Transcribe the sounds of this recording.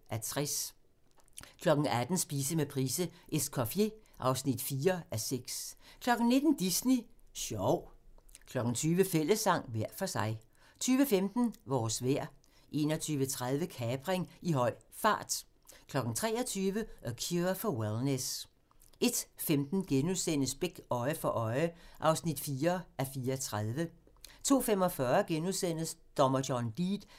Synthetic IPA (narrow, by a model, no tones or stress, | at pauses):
ʔæt͡sʰʁɛs | kʰlɒ̽ɡ̥n̩æd̥n̩sb̥iːsəmepʰʁḭːsəʔeskʰɒfje̝ʔɑ̈ʊsnid̥fiːɐʔæseɡ̥skʰlɒ̽ɡ̥n̩ne̝d̥n̩d̥isniɕɒʊkʰlɒ̽ɡ̥n̩t͡sʰyːʋəfel̰əsːɑ̈ŋ̰ʋæɐ̰fɒ̽sɑ̈ɪ | t͡sʰyːʋəfemd̥n̩ʋɒːsʋeɐ̰ | ʔe̝ːnɒt͡sʰyːʋət͡sʰʁað̞ˠʋəkʰɛːb̥ʁeŋiɦɒ̽ɪ̰fɑ̰̈ːd̥ | kʰlɒ̽ɡ̥n̩t͡sʰʁɛ̰ːɒt͡sʰyːʋəʔɒkʰifɒ̽welnes | e̝d̥femd̥n̩ɡ̥enuðˠsen̰əsb̥eɡ̥ɒ̽ɪəfɒ̽ʔɒɪʔɑ̈ʊsnid̥fiːɐʔæfiːɐt͡sʰʁað̞ˠʋə | t͡sʰo̝̰ːfemɒ̽fɶɐɡ̥enuðˠsen̰sd̥ɒmɐdɒnd̥iːd̥